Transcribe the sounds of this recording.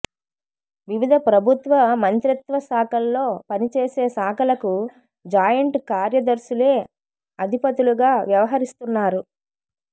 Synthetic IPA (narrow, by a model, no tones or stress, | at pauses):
ʋiʋid̪ʱɐpɾɐbʱut̪ʋɐmɐnt̪ɾit̪ʋɐsaːkɐlːo̞ːpɐnit͡ʃeːse̞ːsaːkʰɐlɐku | d͡ʒaːjɐɳʈkaːɾjɐd̪ɐɾsuleː | ɐd̪ʱipɐt̪uluɡaːʋjɐʋɐɦɐɾist̪unːaːɾu